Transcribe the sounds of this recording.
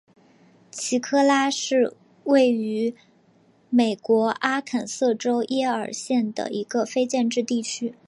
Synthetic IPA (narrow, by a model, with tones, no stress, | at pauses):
t͡ɕʰi˧˥kʰɤ˥la˥ʂɻ̩˥˧ | we˥˩ɪy˧˥ | me˨˩ɪkwɔ˧˥ʔa˥kʰa˨˩nsɤ˥˩ʈ͡ʂo˥ʊʔjɛ˥ə̰˞˨˩ɕjɛ˥˩nd̪ə̰˩ʔi˧˥ɡə˧fe˥ɪt͡ɕjɛ˥˧nʈ͡ʂɻ̩˥˧t̪i˥˩t͡ɕʰy˥